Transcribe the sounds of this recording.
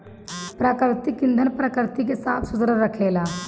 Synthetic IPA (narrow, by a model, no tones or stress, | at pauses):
pɾaːkɾɪt̪ikɪ̃nd̪ʱənpɾaːkɾɪt̪ikesaːp̪ʰsʊzɾəɾəkʰeːlaː